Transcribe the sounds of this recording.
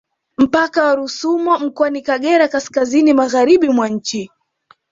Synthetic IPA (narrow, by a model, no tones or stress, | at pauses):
m̩pakawaɾusumɔm̩kɔanikaɠɛɾakaskazinimaɣaɾiɓimwaɲ̩t͡ʃi